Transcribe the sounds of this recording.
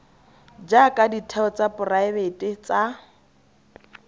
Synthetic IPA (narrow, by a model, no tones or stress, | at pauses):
d͡ʒakʼaditʰɛɔt͡sapʊraɪbetʼɪt͡sa